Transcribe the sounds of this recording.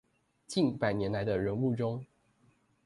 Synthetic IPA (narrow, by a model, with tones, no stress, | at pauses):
t͡ɕi˥˨npa˨˩ɪnjɛ˧˦nla˧˦ɪd̪ə˧ɻə˧˦nu˥˨ʈ͡ʂʊ˦ŋ